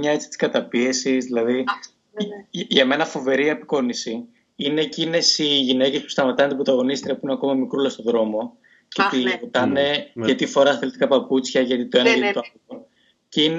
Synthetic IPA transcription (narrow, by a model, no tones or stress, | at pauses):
ɲɐe̞t͡si̥t̪iskɐt̪ɐpie̞sizðilɐði | ʝɐmenɐfo̞ve̞ɾiɐpi̥ko̞nisi | ine̞ːcine̞siʝine̞cespu̥st̪ɐmɐt̪ɐnt̪ibɾot̪ɐɣo̞nist̪ɾiɐpuineɐko̞mɐmikɾulɐst̪o̞ðɾo̞mo̞ | cet̪iot̪ɐne̞ʝɐt̪ifo̞ɾɐɐθelt̪i̥kɐpɐput͡sçɐʝɐt̪it̪oenɐjɐt̪it̪ɐ | o | cein